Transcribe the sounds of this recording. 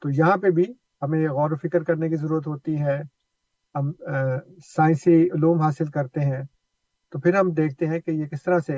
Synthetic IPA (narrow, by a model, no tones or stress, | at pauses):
t̪oːjɐɦãpebʱi | hɐmẽɣɔːɾfɪkəɾkɐɾnek̬izɐɾuːɾət̪ɦoːt̪iɦɛ̃ː | ɦɐm | saːɪ̃nsiʊluːmɦaːsɪlkɐɾt̪eɦɛ̃ | t̪opʰɪɾɦɐmd̪eːk̚ʰt̪eɦɛ̃kejekɪst̪ɐɾase